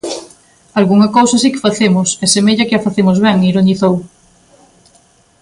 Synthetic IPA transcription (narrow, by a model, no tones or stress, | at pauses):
alɣuŋɐkowsɐs̬ikɪ̥faθemʊsɛsemeʎɐkɪɐfaθemozβɛŋiɾoniθow